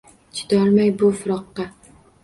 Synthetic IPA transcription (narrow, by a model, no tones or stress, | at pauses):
t͡ʃʰɪ̥d̪ɒɾmajbʊfʊɾɒqːɑ